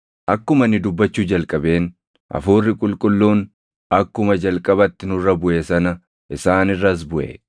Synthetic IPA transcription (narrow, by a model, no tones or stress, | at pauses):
ʔɐkːʊmɐnːɪd̪ʊbːɐt͡ʃːuːd͡ʒɐlkʼɐbe̞ːn | ʔɐ̰fuːrːɪkʼʊlkʼʊlːuːn | ɐkːʊmɐd͡ʒɐlkʼɐbɐt̪ːɪnʊrːɐbʊʔe̞ːsɐnɐ | ʔɪsaːnɪrːɐs̬bʊʔḛː